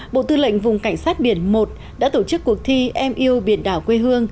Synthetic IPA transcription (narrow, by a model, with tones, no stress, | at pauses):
ɓo̰˧˨t̪ɨ˧lə̰˧˨jŋ̟vʊ̰˨˩ŋ͡mka˧˩jŋ̟saː˦˥t̚ɓi˧˩ənmo˨˩t̚ | ɗa̰ː˧˥t̪o˧˩t͡ɕɨ˦˥kːək̚t̪ʰi˧ʔɛ˧mʔi˧əwɓi˨˧˩ənɗaː˧˩wkwe˧ɦɨ˧əŋ